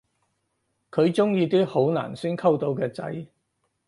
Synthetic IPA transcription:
kʰɵ˨˧ɥt͡sʊ˥ŋjiː˧t̪̬iː˥ho˨˥wna̰ː˨˩nsyː˥nkʰɐ˥wt̪o˨˧wkɛː˧t͡sɐ̰˨˥j

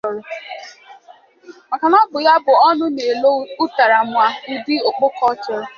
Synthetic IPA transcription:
ɾʊ˨ | ma˨ka˨nɔ˦ɡ͡bʊ˨ja˦bʊ˨ɔ˦nʊ˦ne˨lo˦u˦ta˨ɾa˨mʊ˨a˨i˦di˦o˨k͡pʊ˦kɔ˦t͡ʃɔ˨ɾʊ˨

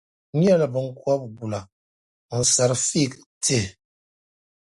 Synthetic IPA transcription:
ɲ˦ɛ˦˨lbə˨ŋ̩˦ka˦p̚ɡu˨la˨ | n̩˨sa˨ɾfi˦˨k | tʰe˦˨

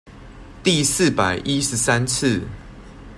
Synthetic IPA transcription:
t̪i˥˨s̩˥˨pa˨˩ɪʔi˦ʂ̩˨˦sa˦nt͡s̩ʰ˥˨

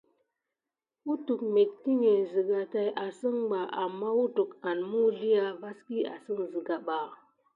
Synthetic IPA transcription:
u˦tu˨k̚me˨t̚ki˦ɲe˨zɨ˨ɡa˨ta˨jʔa˨sə˦ŋɡ͡ba˨ʔa˨mːa˦wu˦tu˨ka˨nmu˦ɮi˦ja˨va˦ski˦a̰˨sɨ˦ŋzɨ˨ɡa˨ɓa˨

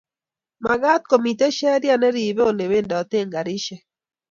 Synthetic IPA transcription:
ma˨ɡa˦t̪̚ko˨mi˨te˦ʃɛ˦ɾja˦nɛ˦ɾi˨be˦o˨ne˨we˦ndɔ˨t̪e˦˨ŋɡa˨ɾi˦ʃɛ˨

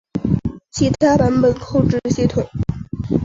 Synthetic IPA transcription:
t͡ɕʰi˧˥t̪ʰa˥pə˧˥npə˨˩nkʰo˥˧ʊʈ͡ʂɻ̩˥˧ʈ͡ʂɤ˥˩ɕɛ˥t̪ʰʊ˨˩˦ŋ

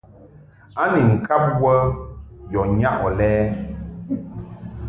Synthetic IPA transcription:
a˦ni˨ŋ̩˨kʰa˦p̚wə˦jɔ˨ɲa˦ʔɔ˨lɛː˦

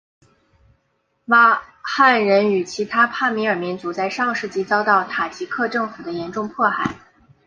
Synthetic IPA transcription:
wa˥ | xa˥˩nɻə˧˥ny˨˩t͡ɕʰi˧˥t̪ʰa˥pʰa˥˩mi˧˥ə˞˨˩mi˧˥nt͡su˧˥t͡sa˥˧ɪʂɑ˥˧ŋʂɻ̩˥˧t͡ɕi˥˩t͡sɑ˥ʊt̪ɑ˥˩ʊt̪ʰa˨˩t͡ɕʰi˧˥kʰɤ˥˧ʈ͡ʂɤ˥˩ŋfu˨˩d̪ə˦jɛ˧˥nʈ͡ʂʊ˥˧ŋpʰwɔ˥˩xa˨˩˦ɪ

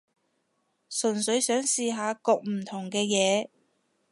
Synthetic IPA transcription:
sɵ˨˩nsɵ˨˧˥ɥsœː˨˥ŋsiː˧ɦaː˨˧kʊ˨˧k̚m̩˨˩t̪ʰʊ˨˩ŋkɛː˧jɛː˨˧

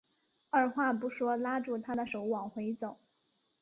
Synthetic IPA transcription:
ə˞˥˩xwa˥˩pu˧˥ʂwɔ˥la˥ʈ͡ʂu˥˩t̪ʰa˥d̪ə˨ʂo˧˥ʊwɑ˨˩ŋxwe˧˥ɪt͡so˨˩˦

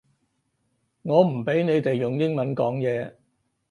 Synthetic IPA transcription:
ŋɔː˨˧m̩˨˩pe˨˥jne˨˧jt̪e˨jjʊ˨˩ŋjɪ˥ŋmɐ˨˦˥nkɔː˨˥ŋjɛː˨˧

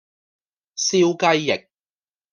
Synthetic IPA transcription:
siː˥wkɐ˥jːɪ˨k̚

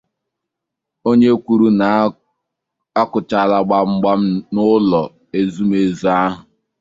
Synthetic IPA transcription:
o˦ɲe˦kʷu˨ɾu˦na˨ | a˦kʊ˨t͡ʃa˨la˨ɡ͡ba˦ŋ͡m̩˦ɡ͡ba˦m̩˦nʊ˦lɔ˨ | e˦zu˦m˦e˦zu˨˦a˦ɦʊ˨

